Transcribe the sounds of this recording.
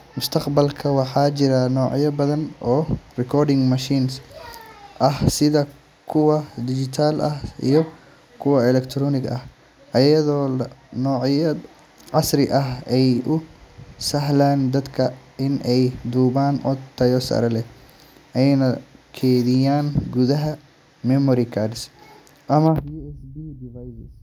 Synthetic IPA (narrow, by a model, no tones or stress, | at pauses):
mʊst̪ʰɐqbɐlkʰɐwɑħɑːt͡ʃɪɾɐnɔːʕjɐbɐðɐnʔɔːrɛkʰɔːrdɪŋmɐʃiːns | ʔɐhsɪðɐ | kʰʊwɐd̪ɪd͡ʒɪt̪ʰaːlʔɐhḭjɔ | kʰʊwɐɛlɛkt̪ʰɾɔːnɪɡɐh | ʔɐjɐðɔːnɔːʕjɐ | ʕɑsɾɪʔɐɦɛjʔʊsɐɦlaːnd̪ɐd̪kʰɐɪnʔɛjd̪uːβaːnʔɔ̰t̪ʰːɐjɔːsɐ̰ɾɐlɛ | ʔɛjɛjnɐkʰɛːðɪjaːnɡuðɐɦɐ | mɛmɔɾɪkʰads | ʔɐmɐjuːɛsbiːd̪vajsɐs